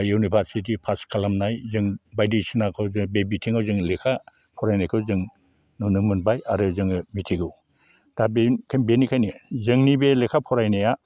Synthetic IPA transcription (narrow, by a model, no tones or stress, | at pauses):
junibʱaɾsit̬ipʰaskʰalamnajzɯŋbajdisinakʰɯwzɯbebitʰiŋawzɯŋlekʰa | pʰɔɾajnajkʰɯwzɯŋ | nunɯmɯnbajaɾɯzɯŋɯmitʰiɡɯw | d̥abekʰanbenikʰajnizɯŋnibelekʰapʰɔɾajnaja